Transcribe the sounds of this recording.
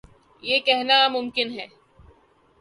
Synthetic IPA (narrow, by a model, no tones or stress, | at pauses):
jeːkɛɦnamʊmkɪnɦɛː